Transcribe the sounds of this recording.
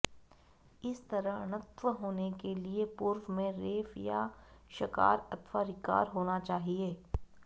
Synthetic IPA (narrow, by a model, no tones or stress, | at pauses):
ɪst̪ɐɾəɽ̃ət̪ʋəɦoːnekeliepʊɾʋmẽɾeːfja̰ʃɐka̰ːɾɐt̪ʰʋaɾɪka̰ːɾɦoːnat͡ʃaːɦieː